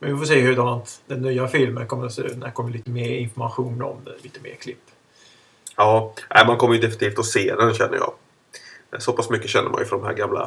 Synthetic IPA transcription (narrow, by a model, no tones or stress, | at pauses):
mɛnvɪfɔːseːhʉd̪anat̪d̪ɛnːyːafɪlmənkʰɔmːəɾɔsḛːɾʉ̰ːt̪næɾɛkɔmːəɭiːt̪əmeːɾɪnfɔɾmaɧuːnɔ̰mliːt̪əmḛːɾkʰlɪpː | ɑːnʔæɪmankʰɔmːəɾjəd̪ɛfɪnɪt̪iːft̪ʰɔseːd̪ɛnɕɛnːə̰jɑ̰ː | sɔpʰasmʏkːəɕɛnːə̰ɾma̰jəfɔnd̪ɔmɦæ̰ːɾɡamla̰